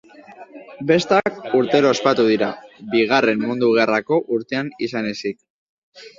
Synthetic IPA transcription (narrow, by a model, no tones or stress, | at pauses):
be̞st̪akuɾt̪e̞ɾo̞espat̪uðiɾabiɣ̞are̞mmund̪uɣ̞e̞rako̞ʔuɾt̪e̞anisane̞sik̚